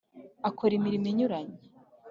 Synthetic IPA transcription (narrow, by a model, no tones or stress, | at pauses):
akʰoɾimiɾimiɲuɾaɲe